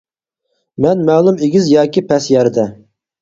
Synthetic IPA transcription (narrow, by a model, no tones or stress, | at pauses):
mɛnmɛːlˠumeɡʲizjɑːkʲipʰɛsjɛɾd̪ɛ